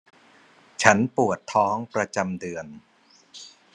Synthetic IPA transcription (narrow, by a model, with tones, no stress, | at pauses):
t͡ɕʰa˦˥npu˨˩ət̪ʰːɔː˦˥ŋpɾa˧t͡ɕa˧mdɯ˧ən